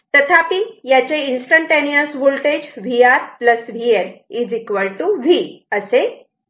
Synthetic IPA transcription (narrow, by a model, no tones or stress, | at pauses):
t̪ət̪ʰapijat͡ɕeinsʈəɳʈeniəsʋolʈed͡ʑʋiaɾpləsʋielid͡zikʋəɭʈuʋiəse